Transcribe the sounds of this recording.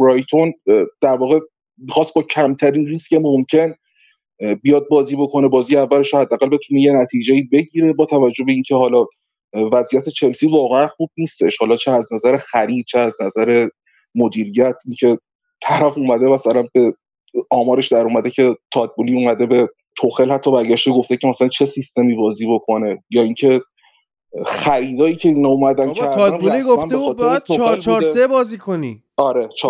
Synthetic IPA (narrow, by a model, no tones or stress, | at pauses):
bɾɒjt̪ʰond̪̥æɾvɒːɣe̞ | mixɒːst̪̚bɒːcʰæmt̪ʰæɾiːnriːscʲe̞momcʰe̞n | bijɒd̪̚bɒːziːbo̞kʰo̞ne̞bɒːzijeævːæleʃohæd̪ːæːɣælbe̞t̪ʰuneje̞næt̪ʰiːd͡ʒeiːbe̞ɟiːɾe̞bɒːt̪ʰævæd͡ʒːohbe̞iːncʰeɦɒːlɒː | væzʔijæt̪ʰe̞t͡ʃʰe̞lsiːvɒːɣeænxuːb̚niːst̪eʃhɒːlɒːt͡ʃʰeæznæzæɾe̞xæɾiːd̪̥̚t͡ʃʰeæznæzæɾe̞ | mod̪iːɾijæt̪ʰʔiŋcʰe̞ | t̪ʰæɾæfuːmæd̪e̞mæsælænbe̞ | ɒːmɒːɾe̞ʃd̪æɾuːmæd̪e̞cʰe̞t̪ʰɒːd̪̚buliuːmæd̪e̞be̞ | t̪ʰoxelhæt̪ʰːɒːbæɾɟæʃt̪e̞ɡo̞ft̪ecʰemæsælænt͡ʃʰe̞sist̪e̞miːbɒːziːbo̞kʰo̞ne̞jɒːiŋcʰe̞ | xæɾiːd̪ɒːjiːcʰe̞iːnɒumæd̪ænkæɾd̪ænliænbexɒːt̪eɾet̪ʰoxlːeebɒːzikʰoni | ɒɾe̞t͡ʃʰː